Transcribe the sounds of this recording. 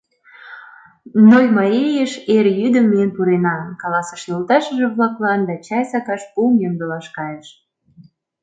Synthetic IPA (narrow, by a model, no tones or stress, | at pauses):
nojmɑɾʲejəʃeɾjyd̪ə̆mːiənpuɾenɑkɑlɑsə̥ʃelt̪ɑʃə̆ʒĕβlɑklɑnd̪ɑt͡ɕɑjsɑkɑʃpumjømd̪əlɑʃkɑjəʃ